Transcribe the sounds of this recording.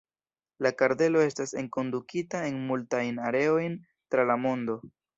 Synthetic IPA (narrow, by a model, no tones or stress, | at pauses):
lakaɾde̞lo̞e̞stase̞ŋko̞ndukitae̞nmultajnaɾe̞o̞jn | tɾalamo̞ndo̞